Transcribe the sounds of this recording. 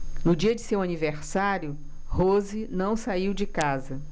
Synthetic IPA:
nʊd͡ʒiɐd͡ʒɪsewɐniveɾsaɾjʊ | hozinɐ̃w̃saiwd͡ʒɪkazɐ

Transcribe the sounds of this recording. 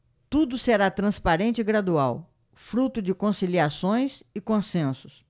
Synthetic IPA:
t̪ud̪ʊseɾat̪ɾɐ̃spaɾẽnt͡ʃɪɪɡɾad̪uaw | fɾut̪ʊd͡ʒɪkõsiliasõj̃sɪkõsẽsʊs

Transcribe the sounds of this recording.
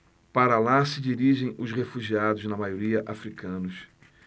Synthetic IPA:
paɾɐlasɪd͡ʒiɾiʒẽj̃ʊshefuʒiad̪ʊznɐmajoɾiɐʔafɾikɐ̃nʊs

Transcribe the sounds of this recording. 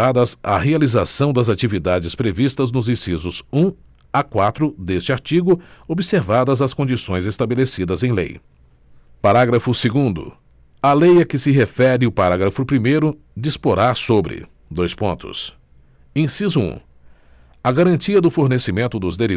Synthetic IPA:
ad̪ɐzɐ̰healizasɐ̃w̃d̪ɐzat͡ʃivid̪ad͡ʒɪspɾevist̪ɐznʊzĩsizʊsũ | akwat̪ɾʊd̪est͡ʃɪaɾt͡ʃiɡʊobiseɾvad̪ɐzɐskõnd͡ʒisõj̃zest̪abelesid̪ɐzẽj̃lḛj | paɾaɡɾɐfʊseɡũnd̪ʊ̰ | ɐlejɐkɪsɪɦefɛɾɪʊpaɾaɡɾɐfʊpɾimejɾʊ | d͡ʒispoɾasobɾɪ̰ | d̪ojspõ̰nt̪ʊ̰s | ĩsizʊṵ̃ | ɐɡaɾɐ̃t͡ʃiɐd̪ʊfoɾnesimẽnt̪ʊd̪ʊzd̪eɾi

